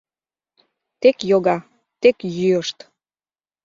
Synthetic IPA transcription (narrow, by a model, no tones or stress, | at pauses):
t̪ekjoɣɑ | t̪ekjyəʃt̪